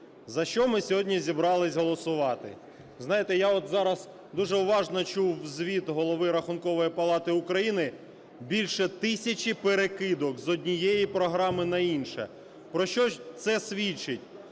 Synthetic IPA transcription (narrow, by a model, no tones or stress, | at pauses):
zɐʃt͡ʃɔmɪsʲɔɦɔdʲnʲizʲibɾɑlˠɪsʲɦɔlˠɔsʊʋɑt̪ɪ̰ | znɑjɪt̪ɛjaɔt̪zɑɾɐz | d̪uʒɛʊʋɑʒnɔt͡ʃuwzʲʋʲit̪ɦɔlˠɔʋɪɾɐxʊnkɔʋɔjipɐlˠɑt̪ɪʊkɾɐjinɪ | bʲilʲʃɛt̪ɪsʲɐt͡ʃʲipeɾekɪd̪ɔkzɔdʲnʲijɛjipɾɔɦɾɑmɪnɐinʃɛ̰ | pɾɔʃt͡ʃɔt̪sɛsʲʋʲit͡ʃɪtʲ